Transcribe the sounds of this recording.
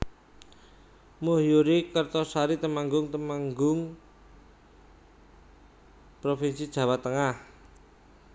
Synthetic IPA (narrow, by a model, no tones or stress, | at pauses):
mohjuɾikərt̪ɔsaɾit̪əmaŋɡʊŋt̪əmaŋɡʊŋ | pɾofinsid̥ʒ̥ä̤wat̪ːəŋah